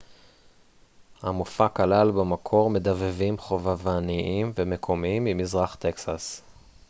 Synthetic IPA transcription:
hamufakalalbamakʰo̞ʁme̞d̪avevimχo̞vavaniʔimvemekʰo̞miimimizʁaχt̪eksas

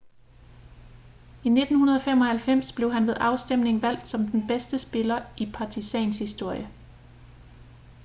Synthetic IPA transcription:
ine̝d̥n̩hunɐð̞ˠɒfemɒ̽hælfem̰sb̥le̝ʊɦænʋeðˠʔɑ̈ʊsd̥em̰ne̝ŋʋæl̰d̥sɒ̽md̥enb̥esd̥əsb̥e̝lɐʔipʰɑ̈t͡sʰisɛnshisd̥o̝ɐ̰jə

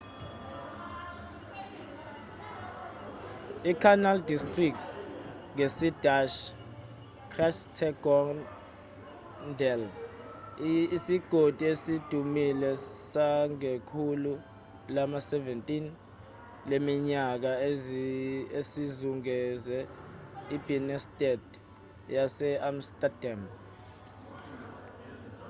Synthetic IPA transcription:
ikʰanaldistʼrik̚ts | ŋesid̥aʃ | kʰraʃtʰɛɡɔn | dɛl | siɡ̥ʱod̥ʱiesid̥ʱumilɛsaŋekʰulu | lamasɛvɛntʼin | lemiɲak̬a | esizuŋɛzɛ | ib̥ʱinɛstʼɛd | jasɛamstʼadam

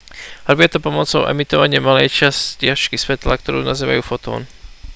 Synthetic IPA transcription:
ɦr̩bɪɛt̪ɔpɔmɔt͡sɔʊʔɛ̰mit̪ɔʋaɲɪɛmalɛjt͡ʃascɪaʃkisʋɛt̪la̰k̚t̪ɔɾṵːnaziːʋa̰juːfɔt̪ɔ̰ːn

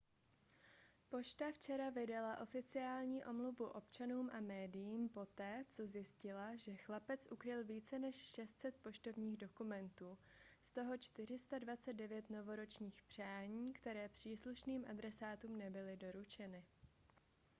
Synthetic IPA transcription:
po̞ʃt̪aft͡ʃɛɾavɪdalaʔo̞fɪt͡sɪaːlɲiːʔo̞mluvuʔo̞pt͡ʃanuːmʔamɛːdɪjiːmpo̞t̪ɛːt͡so̞zjɪscɪlaʒɛxlapɛt͡sʔukɾɪlviːt͡sɛnɛʃʃɛst̪sɛt̪̚po̞ʃt̪o̞vɲiːɣdo̞kumɛnt̪uːst̪o̞ɦo̞t͡ʃt̪ɪr̝ɪst̪advat͡sɛd̪dɛvjɛt̪no̞vo̞ɾo̞t͡ʃɲiːxpr̥aːɲiːkt̪ɛɾɛːpr̝̥iːsluʃniːmʔadɾɛsaːt̪uːmnɛbɪlɪdo̞ɾut͡ʃɛnɪ

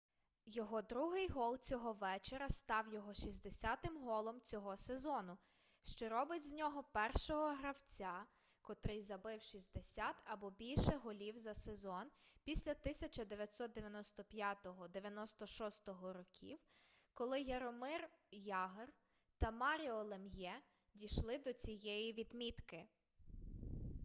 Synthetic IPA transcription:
jɔɦɔd̪ɾuɦɪjɦɔlˠt͡sʲɔɦɔʋɛt͡ʃeɾɐst̪ɑwjɔɦɔʃizʲd̪esʲat̪ɪmɦɔlˠɔmt͡sʲɔɦɔsezɔnʊ | ʃt͡ʃɔɾɔbɪtʲzʲnʲɔɦɔpɛrʃɔɦɔɦɾɐwt͡sʲa | kɔt̪ɾɪjzɐbɪwʃizʲd̪esʲat̪ɐbɔbʲilʲʃɛɦɔlʲiwzɐsezɔnpʲisʲlʲɐt̪ɪsʲɐt͡ʃɐd̪eʋʲjɐt̪ʲsɔt̪̚d̪eʋʲjɐnɔst̪ɔpʲjat̪ɔɦɔd̪eʋʲjɐnɔst̪ɔʃɔst̪ɔɦɔɾɔkʲḭwkɔlˠɪjeɾɔmɪrjɑɦr | t̪ɐmɑɾʲiɔlˠemjɛ | dʲiʃlˠɪd̪ɔt͡sʲijɛjiʋʲid̪mʲit̪kɪ

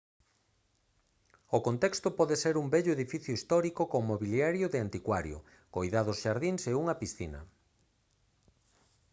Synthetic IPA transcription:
okont̪ɛkst̪opɔðeseɾumbɛʎʊeðifiθjʊist̪ɔɾikokomoβiljaɾjoðɪant̪ikwaɾjo̰ | kojðaðosʃaɾðiŋseuŋɐpisθinɐ̰

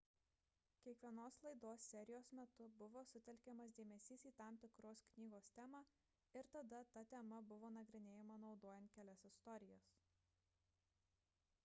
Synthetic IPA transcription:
kʲiɛkʋʲiɛnoːslˠɐɪd̪oːsːʲɛɾʲɪjoːsmʲɛt̪ʊbʊʋoːsʊt̪ʲɛlʲkʲɛmɐs̬d̪ʲeːmʲɛsʲiːsiːt̪ɑˑmt̪ʲɪkɾoːsknʲiːɡoːst̪ʲæːmɑː | ɪɾt̪ɐd̪ɐt̪ɐt̪ʲɛmɐbʊʋoːnɐɡɾʲɪnʲeːjɛmɐnɒʊd̪oːjɛnt̪̚kʲæːlʲɛsʲɪst̪ɔɾʲɪjoːs

